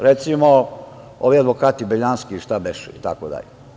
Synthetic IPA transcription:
ɾet̪simo | oʋiad̪ʋokaːt̪ibeʎaːnskiʃt̪abeʃuit̪a̰kod̪a̰ʎe

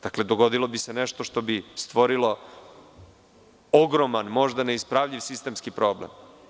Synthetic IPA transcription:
d̪̥akle̞d̪oɡo̞d̪ilˠo̞biseneʃt̪o̞ʃt̪o̞bist̪ʋo̞ɾilo̞ | o̞ɡɾomanmo̞ʒd̪ane̞ispɾaʋʎiʋsist̪emskipɾo̞ːblḛm

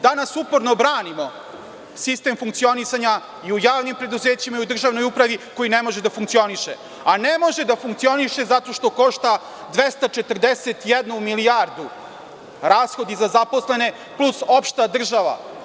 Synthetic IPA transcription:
d̪anasupoɾnobɾaːnimo̞ | sist̪emfuŋk̚t̪sio̞nisaɲa | iujaːʋnimpɾe̞d̪uzeːt͡ɕimaiud̪r̩ʒaʋnojupɾaʋiko̞jinemo̞ʒed̪afuŋkt̪ioniʃḛ | anemo̞ʒed̪afuŋkt̪sio̞niʃe̞zat̪o̞ʃt̪o̞ko̞ʃt̪a | d̪ʋest̪at͡ʃe̞t̪r̩d̪eset̪jed̪numiliaɾd̪u | ɾaːsxo̞d̪izazapo̞sle̞ne̞ | pluso̞pʃt̪ad̪r̩ʒaʋa̰

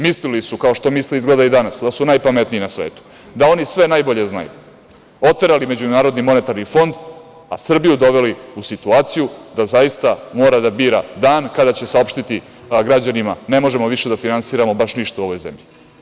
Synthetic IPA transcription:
mislilisukao̞ʃt̪o̞misliizɡled̪aid̪anasd̪asunajpame̞t̪niinasʋeːt̪u̥ | d̪ao̞nisʋe̞najbo̞ʎe̞zna̰jṵ | o̞t̪eɾalime̞d͡ʑunaːɾo̞d̪nimo̞ne̞t̪aɾnifo̞nd̪ | a̰sr̩bijud̪o̞ʋe̞liusit̪uaːt̪sijud̪azajist̪amo̞ːɾad̪abiːɾad̪aːnkad̪at͡ɕe̞sao̞pʃt̪it̪i | ɡɾad͡ʑanimane̞mo̞ʒe̞moʋiʃe̞d̪afinansiːɾamo̞baʃniʃt̪auo̞ʋojzḛmʎi

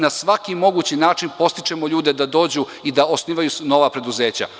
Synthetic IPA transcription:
nasʋakimo̞ɡuːt͡ɕinaːt͡ʂinpo̞st̪i̥t͡ʂe̞mo̞ʎuːd̪e̞d̪ad̪o̞ːd͡ʑu | id̪aosniːʋajuno̞ʋapɾe̞d̪uze̞ːt͡ɕa̰

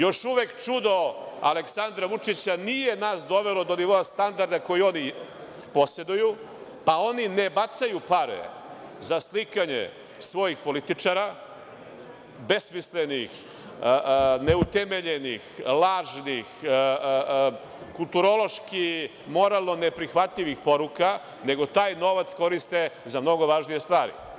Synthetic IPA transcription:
jo̞ʃuʋekt͡ʃud̪o̞a̰le̞ksand̪ɾaʋut͡ʂit͡ɕanije̞naːsd̪o̞ʋelo̞d̪oniʋo̞ast̪and̪aɾd̪ako̞jio̞ni | po̞sje̞d̪uju | pao̞ninebat̪sajupaɾḛ | zaslikaɲḛ | sʋo̞jixpo̞lit̪it͡ʂaɾa | be̞smislenix | ne̞ut̪eme̞ʎe̞nixlaːʒnix | kulˠt̪uɾo̞lˠo̞ʃki | mo̞ɾalˠno̞nepɾixʋat̪ʎiʋixpo̞ɾuka | ne̞ɡo̞t̪aːjno̞ʋat̪sko̞ɾist̪ezamno̞ɡo̞ʋaːʒnije̞st̪ʋaːɾḭ

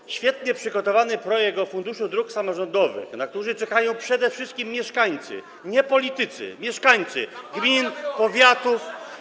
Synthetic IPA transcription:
ɕfʲjɛt̪ɲɛpʂɘɡɔt̪ɔvanɘpɾɔjɛɡ̚t̪ɔfund̪uʂud̪ɾuksamɔʐɔnd̪ɔvɘ̰xnak̚t̪uʐɘt͡ʂɛkajɔ̃w̃pʂɛd̪ɛfʂɘst̪kʲimːjɛʂkaɲt̪sɘ̰ | ɲɛpɔlʲit̪ɘt̪sɘ̰mʲjɛʂkaɲt̪sɘ̰ɡmʲinpɔvʲjat̪uf

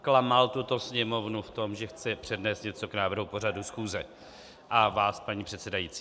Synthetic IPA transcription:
klamalt̪ut̪o̞sɲɛmo̞vnuft̪o̞mʒɛxt͡sɛpr̥ɛdnɛːst̪ɲɛt͡so̞knaːvr̩ɦupo̞r̝adusxuːzɛ | ʔavaːspaɲipr̝̥ɛt̪sɛdajit͡si̥ː

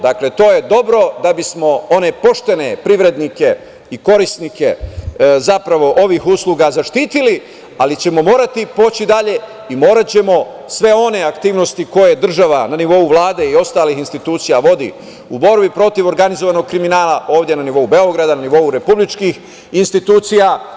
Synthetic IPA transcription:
d̪akle̞t̪o̞ːje̞d̪o̞bɾo̞d̪abismo̞o̞ne̞po̞ʃt̪e̞ne̞pɾiʋɾe̞d̪nike̞ | iko̞ɾisnike̞zapɾaʋo̞ʔo̞ʋiːxuslˠuɡazaʃt̪iːt̪ili | alit͡ɕe̞mo̞mo̞ːɾat̪ipo̞ːt͡ɕid̪aʎe̞ | imo̞ːɾat͡ɕe̞mo̞ | sʋe̞o̞ne̞akt̪iːʋno̞st̪iko̞je̞d̪r̩ʒaʋananiʋo̞uʋlˠaːd̪e̞io̞st̪aːlixinst̪it̪uːt̪sijaʋo̞d̪ḭ | ubo̞ɾbipɾo̞t̪iʋo̞ɾɡanizo̞ʋano̞ɡ̚kɾiminaːlˠaʔo̞ːʋd̪je̞naniʋo̞ube̞o̞ɡɾad̪ananiʋo̞uɾe̞publit͡ʃkiːx | inst̪it̪uːt̪sija

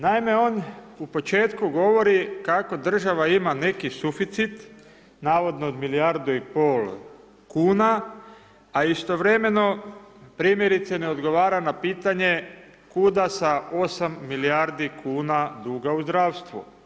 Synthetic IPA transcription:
naime̞o̞ːnupo̞t͡ʃe̞ːt̪kuɡo̞ʋo̞ɾikako̞d̪r̩ʒaʋaimane̞kisufit̪sit̪ | naːʋo̞d̪noːd̪miliaɾd̪uipol | kuːna | aist̪o̞ʋɾe̞me̞no̞pɾiːmje̞ɾit̪sene̞o̞d̪ɡo̞ʋaːɾanapiːt̪aɲe̞ | kud̪asao̞samːiliaɾd̪ikʰuːnad̪uːɡauzd̪ɾaːʋst̪ʋṵ

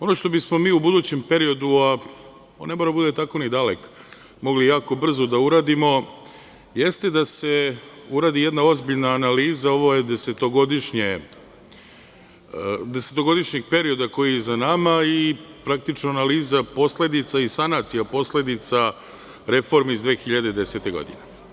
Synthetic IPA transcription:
o̞no̞ʃt̪o̞bismo̞miːubud̪uːt͡ɕe̞mpe̞ɾijo̞d̪ua | o̰nːe̞moɾad̪abud̪et̪ako̞nid̪alek | mo̞ɡlijaːko̞br̩zo̞d̪auɾaːd̪imo̞ | jest̪e̞d̪ase̞uɾaːd̪ije̞d̪nao̞zbiʎnaːnaliːzao̞ʋo̞jed̪e̞se̞t̪o̞ɡo̞d̪iʃɲe | d̪e̞set̪o̞ɡo̞d̪iʃɲeɡ̚pe̞ɾio̞d̪ako̞jijezanamaipɾak̚t̪it͡ʃnoanaliːzapo̞sle̞d̪it̪saisanat̪sijapo̞sle̞d̪it̪sa | ɾe̞fo̞ɾmiizd̪ʋe̞ːxiʎad̪ed̪e̞se̞t̪e̞ɡo̰d̪ḭne

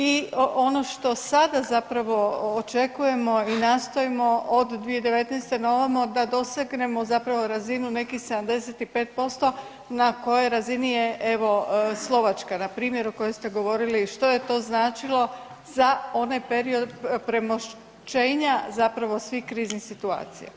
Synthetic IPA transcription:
io̞no̞ʃt̪o̞sad̪azapɾaʋo̞ːt͡ʃe̞kuje̞mo̞inaːst̪o̞imo̞ʔod̪d̪ːʋied̪e̞ʋe̞t̪nɛjst̪e̞no̞ʋamod̪ad̪o̞seɡne̞mo̞zapɾaʋo̞ɾazinune̞kixsed̪amd̪e̞se̞t̪ipe̞ːt̪̚po̞st̪o̞ | nako̞jojɾazinijeʔeʋo̞slˠo̞ʋat͡ʃkanapɾiːmje̞ɾoko̞jojst̪e̞ɡo̞ʋo̞ɾiliʃt̪o̞je̞t̪o̞ːznaːt͡ʃilˠo̞ | zao̞najpeɾio̞d̪pɾe̞moʃ | t͡ʃeːɲazapɾaʋo̞sʋihkɾiːznixsit̪ua̰ːt̪sḭja̰

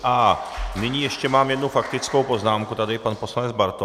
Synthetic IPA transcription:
ʔanɪɲiːjɛʃcɛmaːmjɛd̪nufakt̪ɪt͡skowpo̞znaːmkut̪adɪpanpo̞slanɛd͡zbaɾt̪o

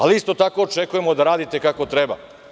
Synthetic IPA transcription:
aliist̪o̞t̪ako̞ːt͡ʃekuje̞mo̞d̪aɾaːd̪it̪e̞kako̞t̪ɾeba̰

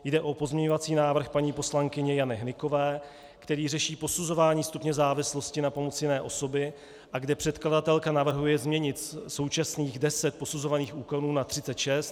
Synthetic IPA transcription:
jdɛʔo̞po̞zmɲɛɲo̞vat͡siːnaːvr̩xpaɲiːpo̞slaŋkɪɲɛjanɪɦnɪko̞vɛː | kt̪ɛɾiːrɛʃiːpo̞suzo̞vaːɲiːst̪upɲɛzaːvɪslo̞scɪnapo̞mot͡sjɪnɛːʔo̞so̞bɪ | ʔaɡdɛpr̝̥ɛt̪kladat̪ɛlkanavr̩ɦujɛzmɲɛɲɪt̪so̞wt͡ʃasniːɣdɛsɛt̪̚po̞suzo̞vaniːxʔuːko̞nuːnat̪r̥ɪt͡sɛt̪ʃɛst̪

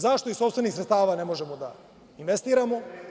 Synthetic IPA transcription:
zaʃt̪o̞iso̞pst̪ve̞nixsɾet̪t̪aːʋaːne̞mo̞ʒe̞mod̪a̰ | inʋest̪iːɾamo̞

